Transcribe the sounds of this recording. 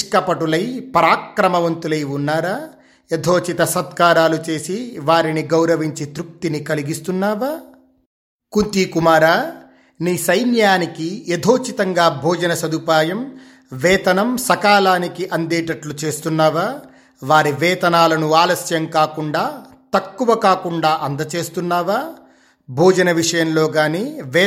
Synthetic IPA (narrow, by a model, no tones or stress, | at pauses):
kɐpɐʈulɐjpɐɾaːkɾɐmɐʋɐnt̪ulɐjunːaːɾaː | ed̪ʱoːt͡ʃit̪ɐsɐt̪kaːɾaːlut͡ʃe̞ːsiʋaːɾiniɡɐwɾɐʋiɲt͡ʃit̪ɾuk̚t̪inikɐliɡist̪unːaːʋaː | kunt̪iːkumaːɾaː | niːsɐjnjaːnikied̪ʱoːt͡ʃit̪ɐŋɡaːbʱɔːd͡ʒɐnɐsɐd̪upaːjɐm | ʋɛːt̪ɐnɐmsɐkaːlaːnikiʔɐnd̪ɛːʈɐʈlut͡ʃe̞ːst̪unːaːʋaː | ʋaːɾiʋɛːt̪ɐnaːlɐnuaːlɐsjɐŋkaːkuɳɖaː | t̪ɐkːuʋɐkaːkuɳɖaːʔɐnd̪ɐt͡ʃe̞ːst̪unːaːʋaː | bʱɔːd͡ʒɐnɐʋiʂɐjɐmlo̞ːɡaːneːʋɛː